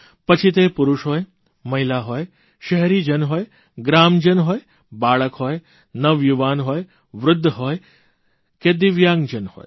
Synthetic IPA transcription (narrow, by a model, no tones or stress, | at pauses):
pət͡ʃʰit̪̬epʊɾʊʃɦoːj | məɦilaɦoːj | ʃəɦɛɾiːd͡ʒənɦoːj | ɡɾaːmd͡ʒənɦoːj | baːɭəkɦoːj | nəʋjuʋaːnɦoːj | ʋɾʊd̪ʱːɦoːj | ked̪ɪʋjaːŋɡd͡ʒənho̰ːj